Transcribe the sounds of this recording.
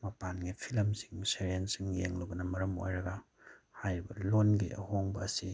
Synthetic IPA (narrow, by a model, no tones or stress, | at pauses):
mɐpanɡipʰilɐmsiŋseɾiensiŋjeŋluɡɐnɐmɐɾɐmo̰jɾɐɡɐ | hajɾibɐlonɡiʔɐ̰hoŋbɐːsi